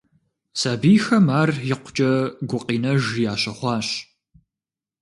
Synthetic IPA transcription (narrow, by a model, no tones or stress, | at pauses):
saːbiːxɐmaːrjɪqʷʊ̥t͡ʃʼɐɡʷʊqʼiːnɐʒjaːɕɐχʷɑːɕ